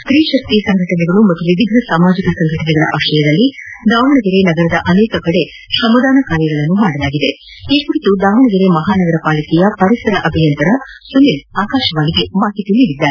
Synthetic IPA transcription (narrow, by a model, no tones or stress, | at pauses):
t̪ɾiːʃɐk̚t̪isɐŋɡʱɐʈɐnɛɡɐɭumɐt̪ːuʋid̪iɡʱɐsaːmaːd͡ʒikɐsɐŋɡʱɐʈɐnɛɡɐɭɐ̰ʔɐʋɐʃɐjɐd̪ɐlːid̪aːʋɐɳɐɡiɾe̞nɐɡɐɾɐd̪ɐʔɐneːkɐkɐɽe̞ | ʃɐmɐd̪aːnɐkaːɾjɐɡɐɭɐnːumaːɽɐlaːɡid̪e̞ | iːpuɾit̪ud̪aːʋɐɳɐɡiɾemɐɦaːnɐɡɐɾɐpaːlɐkɛjɐpɐɾisɐɾɐʔɐbʱijɐnt̪ɐɾɐsunːilaːkaːʃɐʋaːɡiɡe̞baːɦit̪uniːɽid̪ːaːe